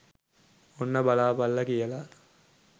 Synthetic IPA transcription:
onːɐbɐlaːbɐlːɐkijɐla

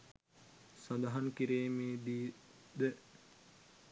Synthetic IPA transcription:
sɐd̪ɐɦɐŋkiɾeːmeːd̪iːd̪e

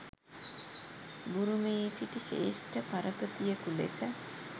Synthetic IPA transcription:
buɾumejesiʈiʃḛːʃʈəpaɾəpət̪ijəkulḛsə

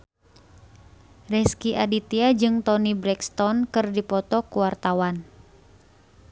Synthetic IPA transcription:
rɛskiʔadit̪iad͡ʒɨŋt̪ɔnibɾɛkst̪ɔnkɨrdipɔt̪ɔkuwart̪awan

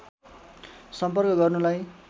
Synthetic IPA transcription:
sʌmpʌrkʌɡʌrnulaj

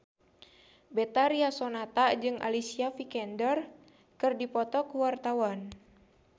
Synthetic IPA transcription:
bɛt̪aɾiasɔnat̪ad͡ʒɨŋʔa̰lisiafikɛndər | kɨrdipɔt̪ɔkuwart̪awan

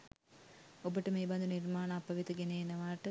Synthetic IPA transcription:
obiʈːɨmeːbɐnd̪unirmaːɳɐɐpːɐʋit̪ːɐɡenejnɐʋaːʈːɨ

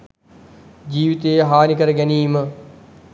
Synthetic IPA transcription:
d͡ʑiːʋit̪eːɦaːnikəɾəɡɛniːmə

